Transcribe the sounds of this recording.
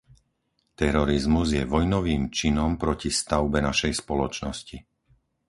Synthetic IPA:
t̪ɛɾɔɾizmuzjɛʋɔjnɔʋiːmt͡ʃinɔmpɾɔcist̪aʊbɛnaʃɛjspɔlɔt͡ʃnɔsci

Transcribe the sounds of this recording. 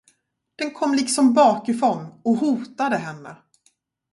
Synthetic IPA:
d̪̥ɛnkʰɔmːlɪksɔmbɑːkɪfɾɔnːɔɦuːt̪ad̪əɦɛnːə̰

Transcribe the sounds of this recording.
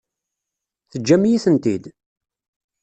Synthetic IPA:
θəd͡ʒːæmjiθənt̪id̪

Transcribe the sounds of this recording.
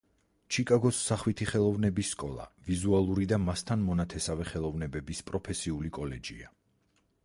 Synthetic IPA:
t͡ʃʰikʼaɡɔsːaχwit̪ʰiχɛlˠɔvnɛbisːkʼɔlˠa̰vizualˠuɾid̪amast̪ʰanmɔnat̪ʰɛsavɛχɛlˠɔvnɛbɛbispʼɾɔpʰɛsiulikʼɔlɛd͡ʒia

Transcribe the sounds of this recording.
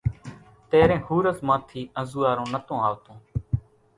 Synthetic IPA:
t̪eːɾẽːhuːɾəzmãːt̪ʰiːə̃zuːaːɾõːnət̪õːaːʋt̪õː

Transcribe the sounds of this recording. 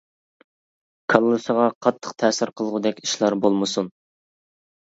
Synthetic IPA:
kʰɑlˠːɨsəʁɑqʰɑt̪ʰːə̥qt̪ʰɛːsɪɾqʰəlˠʁʊd̪ɛkʲi̥ʃlˠɑɾbolˠmɨsun

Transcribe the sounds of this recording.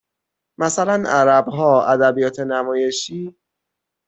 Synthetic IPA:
mæsælænæɾæbɦɒːæd̪æbijɒːt̪ʰe̞næmɒːje̞ʃiː

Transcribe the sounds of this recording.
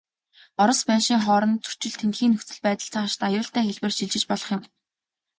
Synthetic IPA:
ɔɾɞ̆spæːʃiːŋχɔːɾɞ̆nt͡su̥t͡ɕɪ̆ɮt̪ʰent̪xiːnːɵxt͡sɘ̆ɮpæːt̪ə̆ɬt͡sʰaːaʃt̪ajʊːɬt̪ʰæːxeɮpɘ̆rʃiɮt͡ɕɪ̆t͡ɕpɔɮɞ̆χjɪ̆m

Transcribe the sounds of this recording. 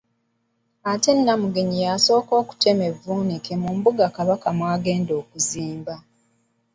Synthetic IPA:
ate̞nːamuɡeɲijaso̞ːko̞ːku̥tʰe̞me̞vːuːnikemumbuɡakaβakamwaːɡe̞ːndo̞ːkuziːmba

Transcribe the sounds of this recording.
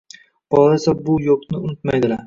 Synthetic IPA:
b̥ɒlˠaesabʊjoqnɪʊnʊt̪majd̪ɪlaɾ

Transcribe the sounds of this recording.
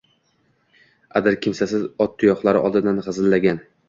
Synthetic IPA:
ad̪ɪɾkʲʰɪmsasɪzɒt̪̚ːʊjɒχlˠaɾɪʔɒ̰lˠd̪ɪd̪anʁɨzɪlːaɡʲan

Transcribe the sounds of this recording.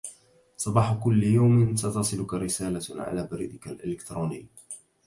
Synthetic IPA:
sˤɑbɑːħʊkʊlːjawmɪnsat̪ɑsˤɨlʊkaɾɪsaːlaʕa̰laːbaɾḭːd̪ɪkalʔɪlɪkt̪ɾuːnɪjː

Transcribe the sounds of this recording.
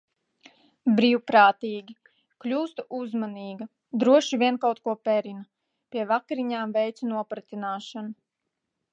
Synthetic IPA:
bɾiːwpɾaːt̪iːɡʲi | klʲuːst̪uʔuzmaniːɡɐ | d̪ɾuɔʃivʲiɛnkawt̪kuɔpɛɾinɐ | pʲiɛvakɾiɲaːmvɛjt̪sunuɔpɾat̪inaːʃanu

